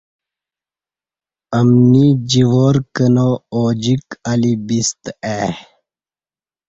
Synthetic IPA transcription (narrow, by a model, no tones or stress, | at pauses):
ɐmnid͡ʑiʋoːɾkənooːd͡ʑikɐlibist̪e